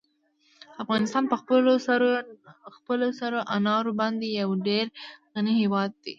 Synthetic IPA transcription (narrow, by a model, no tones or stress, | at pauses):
afɣɑnɪst̪ɑnpəxəlo | xpəlosaɾoʔanɑɾobɑnd̪ejawɖeɾɣaniɦewɑd̪̚ːe